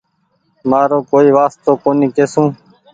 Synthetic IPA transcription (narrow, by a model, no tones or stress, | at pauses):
maːɾõːkoːiːʋaːst̪oːkoːniːkeːsũː